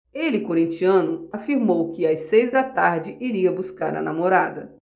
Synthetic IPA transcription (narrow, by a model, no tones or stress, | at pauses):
elɪkoɾĩnt͡ʃiɐ̃nʊafiɾmowkɪajsejzd̪ɐt̪aɾd͡ʒɪʔiɾiɐbuskaɾɐ̰na̰moɾad̪ɐ